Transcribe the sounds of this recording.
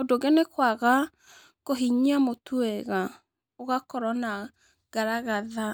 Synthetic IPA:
odoɣɛnekwaɣa | koɦiɲamotʰuɛɣa | oɣakɔɾɔna | ɡ̥aɾaɣaða

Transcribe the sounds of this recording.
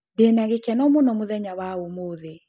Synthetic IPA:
denaɣekɛnɔmonɔmoðɛɲawaomoðe

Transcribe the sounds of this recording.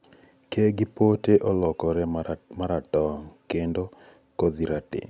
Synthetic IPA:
keɡɪpoteʔɔlɔkɔɾɛmaɾatɔŋkendo | kod̪iɾatɪ̰

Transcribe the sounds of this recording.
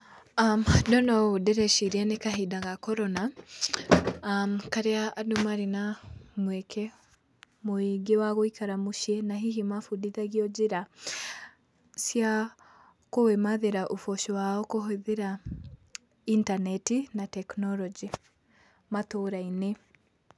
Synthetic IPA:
amdɔnɔodɛɾɛʃiɾianekaɦidaɣakɔɾɔna | kaɾeaːdumaɾenamwɛkʰɛ | moiɡewaɣoikaɾamoʃjɛnaɦiɦimafudiðaɣiɔd͡ʒeɾa | sja | kowemaðeɾaʔofɔʃɔwaɔkoɦoðeɾa | intanɛtinatɛknɔlɔd͡ʒi | mat̪oɾaine

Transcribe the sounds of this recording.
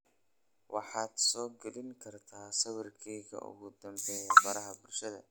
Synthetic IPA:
wɑħɑːd̪sɔːɡɛlɪŋkʰɐrt̪ʰaːsɐwɐrkʰɛjɣɐ̰ʔʊ̰ɣʊd̪ɐmbɛːjɐfɐɾɐɦɐbʊlʃɐðɐ̰

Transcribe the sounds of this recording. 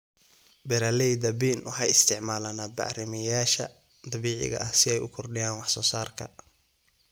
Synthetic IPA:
bɛɾalɛjd̪ɐbiːnwħɑjɪst̪ʰɪʕmaːlanaːd̪̚bɑ̰ʕrɪmɪjaːʃɐ̰ | d̪ɑβiːʕɪ̰ɣɐ̰ʔɐhsɪɛjʊkʰɔrɖɪjaːnwɑħsɔːsaːrkʰɐ

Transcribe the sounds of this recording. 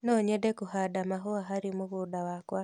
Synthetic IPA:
nɔɲedekuhadamaɦoaɦaɾimuɣudawakwa

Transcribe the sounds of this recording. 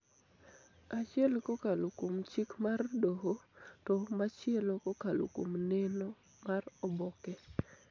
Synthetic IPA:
at͡ʃɪɛlkokalokomt͡ʃikmardoɦotɔmat͡ʃɪɛlokokalo̰ko̰mnɛno | marɔbɔkɛ

